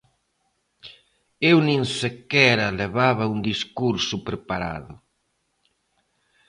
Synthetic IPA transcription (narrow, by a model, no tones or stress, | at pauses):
ewnĩŋsekɛɾɐleβaβɐund̪iskuɾsʊpɾepaɾa̰ðʊ